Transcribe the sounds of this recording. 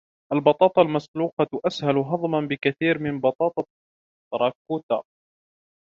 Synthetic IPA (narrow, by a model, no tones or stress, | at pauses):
ʔalbɑt̪ˤɑːt̪ˤɑlmasluːqɑʔashalɦɑðˤmanbɪkaθiːɾmɪnbɑt̪ˤɑːt̪ˤɑ | t̪ːɾˤɑːkuːt̪aː